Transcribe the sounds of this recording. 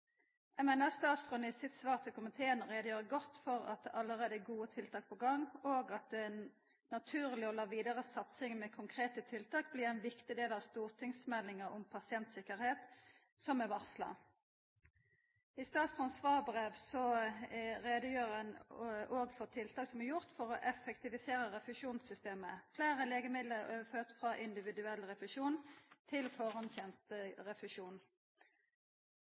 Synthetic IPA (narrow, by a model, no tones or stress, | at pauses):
ɛmɛnɛst̪ɑːt̪sʁʉnɪsɪt̪sʋɑːʁt̪ʰɪlkʰʊmɪt̪ʰeːənʁeːd̪əjøːʁəɡɔt̪ːfɔʁɑ̰t̪̚d̪ɛʔɑlːəʁeːd̪əɛɡuːət̪ʰɪlt̪ʰɑːk̚pʰɔɡɑŋːoːɡɑt̪̚d̪ɛn | nɑt̪ʰʉːʁlɪɔlɑːʋiːd̪ɑʁəsɑt̪sɪŋmɛkʰʊŋkʰʁeːt̪ət̪ʰɪlt̪ʰɑːk̚blɪːʁɛnʋɪkt̪ɪd̪eːlɑʋst̪uːʁt̪ʰɪŋsmɛlːɪŋəʁʊmpʰɑsɪɛnt̪sɪkəʁheːt̪ | sɔmɛʋɑʁslɑ̰ | ɪst̪ɑːt̪sɔnsʋɑːbʁeːʋsɔ | ʁeːd̪əjøːʁənoːɡfɔʁt̪ʰɪlt̪ʰɑːksɔmɛjʊʁt̪fɔʁɔʔɛfɛkt̪ɪʋɪseːɾəʁɛfʉʃuːnsʏst̪eːməfleːʁəleːɡəmɪd̪ləøføːʁt̪fʁɑʔɪnd̪ɪʋɪd̪ʉɛlːʁɛfʉʂuːnt̪ʰɪlfɔʁɑnçɛnt̪ʁɛfʉʃuːn